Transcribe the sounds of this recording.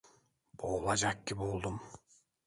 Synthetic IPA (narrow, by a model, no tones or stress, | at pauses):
b̥oːlˠad͡ʒakːibolˠd̪um